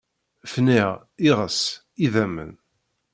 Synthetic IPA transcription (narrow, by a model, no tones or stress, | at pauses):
fniʁ | iʁəs | iðæmə̰n